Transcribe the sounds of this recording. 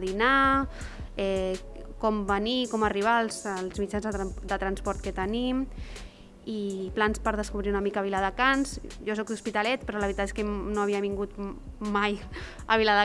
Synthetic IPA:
ðina | ɛ | kɔmbənikɔməriβ̞alˠzəlˠzmid͡ʒanzəd̪ət̪ɾənspɔɾt̪̚kət̪ənim | iplanspəɾð̞əskuβɾiunəmikəβ̞ilaðəkanzʒɔsɔk̚d̪uspit̪alɛt̪pɾɔləβɾit̪at̪eskenoəβiəβiŋɡut̪maj | əβilaðə

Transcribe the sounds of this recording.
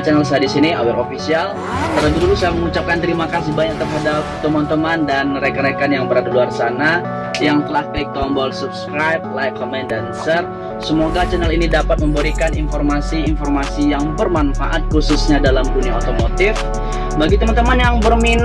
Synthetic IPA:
t͡ʃanɛlsaadisinia̰wɛɾofisial | t̪əlabilulusajaməŋut͡ʃap̚kant̪əɾimakas̬ibaak̚t̪ərɦadap̚t̪əmant̪əmandanməɾekanakanjaŋbəɾadaluarsana | jaŋt̪əlahkəlik̚t̪ɔmbɔlsup̚skɾajp̚lajkʰːomandansər | səmoɡat͡ʃanəlinidapat̪̚məmbəɾikaninformasiːnformasijaŋbərmanfa̰ʔat̪̚kususɲadalamduniaot̪omot̪ɪf | baɡit̪əmant̪əmanjaŋbərmin

